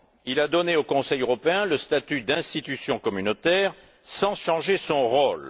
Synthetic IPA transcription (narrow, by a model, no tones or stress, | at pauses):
ilad̪ɔneokɔ̃sɛjøʁɔpeɛ̃ləst̪at̪yd̪ɛ̃st̪it̪ysjɔ̃kɔmynot̪ɛʁ | sɑ̃ʃɑ̃ʒesɔ̃ʁol